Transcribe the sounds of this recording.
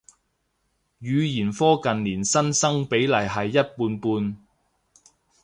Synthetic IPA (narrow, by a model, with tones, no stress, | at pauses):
jyː˨˧jiː˨˩nfɔː˥kɐ˨nliː˨˩nsɐ˥nsɐ˥ŋpe˨˥jlɐ˨˩jɦɐ˨jːɐ˥t̚puː˧npuː˧n